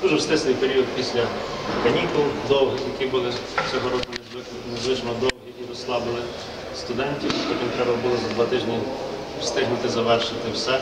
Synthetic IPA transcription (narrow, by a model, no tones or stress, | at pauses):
d̪uʒɛwst̪ɪsnɪjpeɾʲiɔd̪̚pʲisʲlʲɐkɐnʲikʊlˠd̪ɔwɦɪjɐkʲibɪlˠɪsʲɛɦɔɾɔkʊnɪzɪ | nɪzlˠɪʒmɐd̪ɔw̪ɦʲiiɾɔslˠɑbɪlˠɪ | st̪ʊd̪ɛnʲtʲiwt̪ɔkɪp̪ɾɛbɐbʊlˠɪzɐd̪ʋɐt̪ɪʒnʲiwst̪ɪɦnʊt̪ɪzɐʋɛrʃɪt̪ɪwsɛ